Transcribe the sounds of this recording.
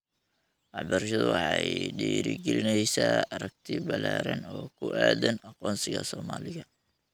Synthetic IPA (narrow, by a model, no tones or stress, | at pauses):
ʔɑħbɐɾʃɐðʊwɑħɑɖiːɾɪ̰ɡɛlɪnɛjsaːɐɾɐɡ̚t̪ʰɪbɐlaːɾɐ̰nɔːkʰʊʔæːd̪ɐnɑqɔːnsɪɣɐ̰sɔːmaːlɪɣɐ